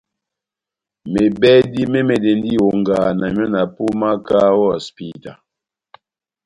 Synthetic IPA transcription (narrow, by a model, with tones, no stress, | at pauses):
me˨bɛ˦di˦me˦me˨de˨n˦di˦wo˨ŋ˨ɡaː˨na˨m˦ɔ˦na˨pu˦ma˦ka˦wɔ˦˨spi˦ta̰˨